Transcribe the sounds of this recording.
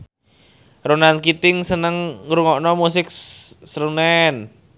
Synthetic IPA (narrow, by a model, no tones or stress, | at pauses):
ronankit̪ɪŋsənəŋɾuŋɔʔnɔmus̬ɪk̚səɾunɛn